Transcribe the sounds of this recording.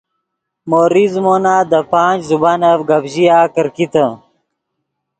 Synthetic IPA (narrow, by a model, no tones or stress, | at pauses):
moːɾizmoːnaːd̪əpaːt͡ʃzubanɐfɡɐbʑijaːkəɾkit̪ə